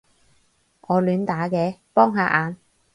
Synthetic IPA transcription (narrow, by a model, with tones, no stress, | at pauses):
ŋɔː˨˧lyː˨˧nt̪aː˨˥kɛː˨˧pɔː˥ŋɦaː˨˧ʔaː˨˧n